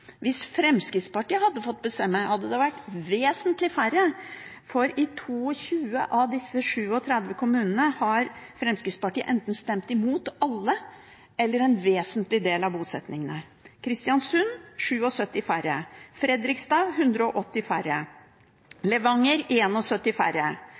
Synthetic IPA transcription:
ʋɪsfɾɛmskɾɪt̪spɑʈiːəhɑd̪ːəfɔt̪̚ːbəst̪ɛmːæɪhɑd̪ːəd̪ɛʋæʈːʋeːsənt̪lɪfæɾə | fɔɾɪt̪ʰuːɔçʉːə̰ʔɑʋd̪ɪsːəʂʉːɔt̪ʰɾɛd̪ʋəkʰʊmʉːnənəhɑɾfɾɛmskɾɪt̪spɑʈiːə̰ʔɛnt̪n̩st̪ɛmt̪ɪmuːt̪ɑlːə | ɛlːəɾɛnʋeːsənt̪lɪd̪eːlɑʋbuːsɛt̪nɪŋənə | kʰɾɪst̪ɪjɑnsʉnʂʉːɔsœt̪ːɪfæɾəfɾɛd̪ɾɪkst̪ɑːʋɦʉnd̪ɾəɔʔɔt̪ːɪfæɾə | lɛʋɑŋːəɾeːnɔsœt̪ːɪfæ̰ɾə

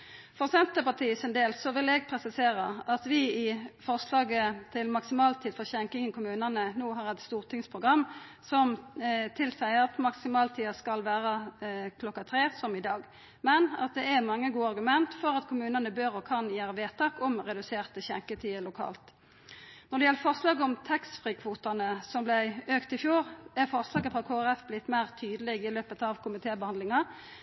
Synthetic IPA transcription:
fɔʁsɛnt̪əpɑʁt̪ʰiːsɛnd̪eːlssɔʋɪlɛɡ̚pʰʁɛsɪseːʁəʔɑt̪ʋɪɪfɔʁslɑːɡət̪ʰɪlmɑksɪmɑːlt̪ʰiːd̪fɔʁçɛŋkɪŋənkʊmʉːnənənuːɦɑːʁɛt̪st̪uːʁt̪ʰɪŋspʰʁʊɡʁɑmː | sɔmt̪ʰɪlsæɪəɑt̪mɑksɪmɑːlt̪ʰiːɑskɑlʋæːʁəkʰlɔkːɑt̪ʰʁeːsɔmɪd̪ɑːɡ | mɛnɑ̰t̪̚d̪ɛæʁmɑŋːəɡuːəɑɾʁɡʉmɛnt̪fɔɾʁɑt̪kʰʊmʉːnənəbøːɾɔkʰɑnjæːɾəʋeːt̪ʰɑːkɔmʁɛd̪ʉseːʁt̪əçɛŋkət̪ʰiːəlʊkʰɑ̰ːlt̪ | nɔɾd̪ɛjɛlːəfɔʁslɑːɡəɔmt̪ʰɛksfʁiːkʰʋuːt̪ɑnəsɔmblæɪøːkt̪ɪfjuːʁæʁfɔʁslɑːɡəfʁɑkʰoːæʁɛfblɪt̪ːmæɪʁt̪ʰyːd̪əlɪɡɪløːpət̪ɑʋkʰʊmɪt̪ʰeːbəhɑnd̪lɪŋɑ

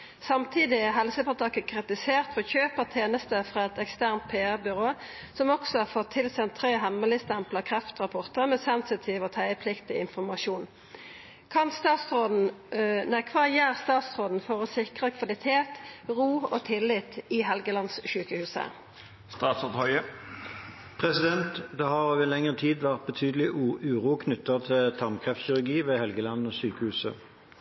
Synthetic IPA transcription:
sɑmt̪ʰiːd̪ɪɛɦɛlsəpɔʁt̪ʰɑkəkʰʁɪt̪ɪseːʁt̪fɔçøːpəʁt̪ʰeːnəst̪əfʁɑːɛt̪ɛkst̪æʁnt̪̚pʰeːæʁbʏʁoːsɔmɔksɔhɑʁfɔt̪ʰːɪlsɛnt̪ʰːʁeːɦɛmːəlɪst̪ɛmpləkʰʁɛft̪ʁɑpʰɔʁt̪əʁmɛːsɛnsɪt̪ʰiːʋoːt̪ʰæɪəpʰlɪkt̪ɪɪnfɔmɑʃuːn | kʰɑnst̪ɑːt̪sʁoːd̪n̩nɛkʰʋɑʁjæːʁst̪ɑːt̪sʁoːd̪n̩fɔʁoːsɪkʁəkʰʋɑlɪt̪ʰeːt̪ʁuːo̰t̪ʰɪlɪt̪ɪɦɛlɡəlɑnsʃyːkəhʉːsə̰ | st̪ɑːt̪sɔt̪hɔʏə | pʰʁɛsɪd̪ɛnt̪d̪ɛhɑʁøːʋəlɛŋəʁət̪ʰiːd̪ʋæʁt̪̚bət̪ʰyːd̪əlɪʉːʁuːkʰnʏt̪ːət̪ʰɪlt̪ʰɑmkʰʁɛft̪sçɪʁʉɡiːʋeːhɛlɡəlɑnːoːsyːkəhʉːsə

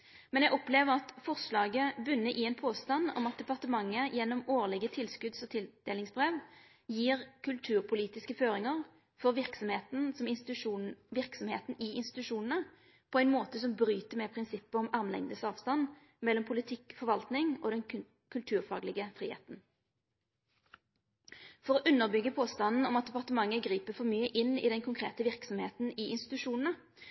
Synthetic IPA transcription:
mɛnjɛɡɔpleːʋəʁɑt̪fɔʁʂlɑːɡəbʉnːəʔɪɛːnpʰoːst̪ɑnːɔ̰mɑt̪̚d̪ɛpɑʁt̪əmɑŋːəjɛnːɔmoːʁlɪɡət̪ʰɪlskʉd̪sɔt̪ʰɪld̪̥eːlɪŋsbʁeːʋ | jiːʁkʰʉlt̪ʰʉːʁpʰʊliːt̪ɪskəføːɾɪŋəʁ | fɔʁʋɪʁksɔmheːt̪n̩sɔmɪsʉʂuːʋɪʁksɔmheːt̪n̩ɪɪnst̪ɪt̪ʉʂuːnənə | pʰɔæɪnmoːt̪əsɔmbʁyːt̪əmɛpʰʁɪnsɪpːəɔmɑʁmlɛ̰ŋd̪əsɑːʋst̪ɑnː | mɛlːɔmpʰʊlɪt̪ʰɪkːfɔʁʋɑlt̪nɪŋoːd̪ɛn | kʰʉlt̪ʰʉːʁfɑːɡlɪɡəfʁiːhḛːt̪n̩ | fɔʁɔʔʉnːəʁbʏɡːəpʰoːst̪ɑnn̩ɔmɑt̪̚d̪ɛpɑʁt̪əmɑŋːəɡʁiːpəfɔʁmyːəʔɪnːɪ̰d̪ɛnkʰʊŋkʰʁḛːt̪əʋɪʁksɔmheːt̪n̩ɪɪnst̪ɪ̥t̪ʉʂuːnn̩ə

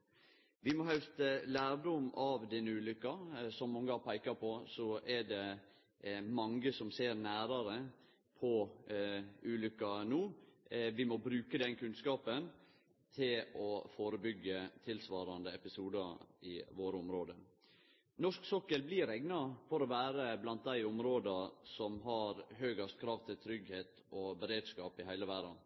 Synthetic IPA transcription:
ʋɪmɔɦœʉst̪læːɾɖʊmɑʋd̪ɪnːəʉːlʏkːɑsɔmmːɑŋːəɑpʰæɪkɑpʰɔsɔɛɖɛ | mɑŋɡəsɔmseːɾnæːɾɑɾə | pʰɔ | ʔʉːlʏkːɑnuːʋɪmɔbɾʉːkəd̪ɛnkʰʉnskɑːpən | t̪ʰɪlɔfoːɾəbʏɡːət̪ʰɪlsʋɑːɾɑnd̪əɛpɪsuːd̪ɑɪʋoːɾəʊmɾoːd̪ə | nɔʂksɔkːəlblɪɾɛɡnɑfɔɾɔʋæːɾəblɑnt̪̚d̪æɪʊmɾoːd̪ɑsɔmɦɑɾɦøːɡɑst̪̚kʰɾɑːʋt̪ʰɪlt̪ʰɾʏɡheːt̪ | ɔbəɾeːd̪skɑːpɪhæɪləʋæɖɑ

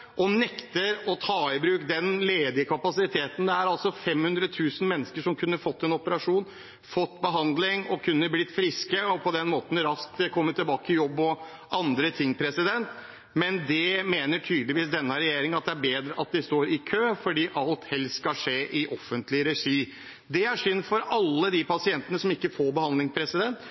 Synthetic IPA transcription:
ʔɔnɛkt̪əɾɔt̪ʰɑːɪbɾʉːkd̪ɛnleːd̪ɪəkʰɑpɑsɪt̪ʰeːt̪n̩d̪ɛæɾɑlsɔfɛmhʉnd̪ɾət̪ʰʉːsən̩mɛnːəskəʂɔmkʰʉnːəfɔt̪ːɛnɔpəɾɑʂuːn | fɔt̪ːbəɦɑnd̪lɪŋɔkʰʉnːəblɪt̪ːfɾɪskəɔpʰɔd̪ɛnmoːt̪n̩ɾɑskt̪kʰɔmːət̪ːɪlbɑːkəəjɔbːɔ | ʔɑnd̪ɾət̪ʰɪŋːpʰɾɛsɪd̪ɛnt̪ | mɛnd̪ɛmeːnəʈʰyːd̪lɪʋiːsd̪ɛnːəɾɛjeːɾɪŋəɑt̪̚d̪ɛæɾbeːd̪ɾəʔɑt̪̚d̪ɛst̪oːɾɪkʰøːfɔɖiːʔɑlt̪hɛlsskɑʂeːʔɪʔɔfːənt̪lɪɾɛʂiː | d̪ɛæʂʏnːfɔɾɑlːəd̪ipɑsɪɛnt̪ənəsɔmɪkːəfoːɾbəhɑnd̪lɪŋspʰɾɛsɪd̪ɛnt̪

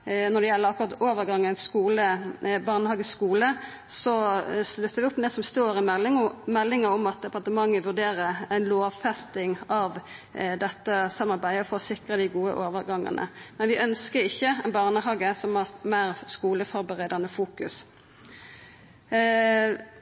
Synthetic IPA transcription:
nɔɾd̪ɛjɛlːəɾɑkʊɾʁɑt̪oːʋəɾɡɑŋːæɪnskuːləbɑʁnəhɑːɡəsskuːlə | sɔslʉt̪ːəɾʋɪʊpːd̪ɛsɔmst̪oːɾɪmɛlmɛlːɪŋəɔmɑt̪̚d̪ɛpɑʁt̪əmɑŋːəʋʉʁd̪eːɾəɾæɪnloːʋfɛst̪ɪŋɑʋd̪ɛt̪ːəsɑmːɑɾbæɪd̪əɔfoːsɪkʁəd̪ɪɡuːə̰ʔoːʋəɾɡɑŋːə̰nʔə̰mɛnʋɪʔœnskəɾɪçːəæɛnbɑʁnəhɑːɡəsɔmæʁmæːʁskuːləfɔɾbəʁeːd̪ɑnəfuːkʉs

